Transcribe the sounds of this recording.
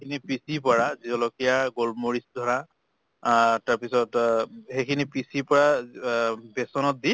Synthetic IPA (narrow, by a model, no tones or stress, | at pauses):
kʰinipisipɔɹazizɔlɔkijaɡolmoɹisdʱɔɹa | taɹpisɔthekʰinipisipɔɹa | bɛsɔnɔt̚di